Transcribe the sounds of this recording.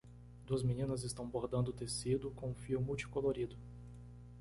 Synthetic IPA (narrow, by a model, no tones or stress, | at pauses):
d̪uɐzminĩnɐzɪst̪ɐ̃w̃boɾd̪ɐ̃nd̪ʊt̪esid̪ʊkõũfiʊmuwt͡ʃi̥koloɾid̪ʊ